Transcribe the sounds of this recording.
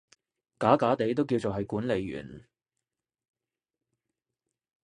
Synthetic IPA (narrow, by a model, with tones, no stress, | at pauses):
kaː˨˥kaː˨˥t̪e˨˥jt̪̬o˥wki˧wt͡so˨wɦɐ˨jkuː˨˥nle˨˧jɥy̰ː˨˩n